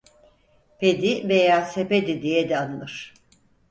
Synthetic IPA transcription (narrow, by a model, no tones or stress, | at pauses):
pʰed̪ivejaːseped̪id̪ijɛd̪ɛanɯlˠɯɾ̥